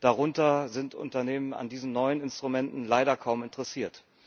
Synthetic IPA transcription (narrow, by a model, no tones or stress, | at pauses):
d̥aʁʊntɐzɪntʔʊ̰ntɐneːməna̰ndiːzn̩nɔʏənɪnstʁ̥umɛntn̩laɪɾɐkʰaʊmɪntəʁɛsiːɐt